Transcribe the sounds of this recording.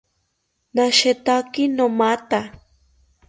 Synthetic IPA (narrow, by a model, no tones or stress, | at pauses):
naʃet̪akɪnomat̪a